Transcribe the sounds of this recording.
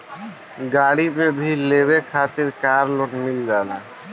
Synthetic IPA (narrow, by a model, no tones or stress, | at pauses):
ɡaːɽipebʱileːβekʰaːt̪ɪɾkaːɾlonmɪld͡ʒaːlaː